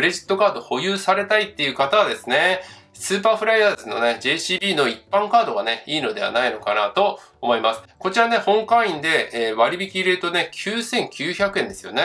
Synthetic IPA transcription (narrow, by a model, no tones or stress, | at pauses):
ɯɾe̞ʑi̥t̪ːo̞kaːd̪o̞ho̞jɯːsaɾe̞t̪ait̪ːe̞jɯ̟kat̪aβad̪e̞sɨne̞ | sɨːpaːɸɯ̟ɾajaːzɨno̞̰ne̞d͡ʑe̞ːɕiːbʲiːno̞ipːãŋkaːd̪o̞ɡane̞iːno̞d̪e̞βa̰naino̞kanat̪o̞ː | mo̞imasɨ̥ko̞t͡ɕiɾane̞hõ̞ŋkãɰ̃ĩnd̪e̞eːβaɾʲibʲikʲiːɾet̪o̞ne̞kʲʰɨːsẽ̞ŋkʲɨːçakɯ̟end̪e̞sɨjo̞̰ne